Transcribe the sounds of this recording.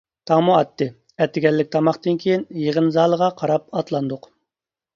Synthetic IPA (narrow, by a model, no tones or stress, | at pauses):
t̪ʰɑŋmuɑt̪ʰːɨ | ɛt̪ːɪɡʲɛlːɪk̚ʲt̪ʰɑmɑχt̪ɨnkʲʰijinjeʁənzɑːlˠəʁɑqʰɑɾɑp̚ɑt̪lˠɑnd̪ʊq